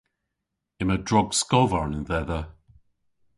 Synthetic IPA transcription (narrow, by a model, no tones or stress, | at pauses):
ɪmədɹɔɡskɔvaɹnɪnðɛðə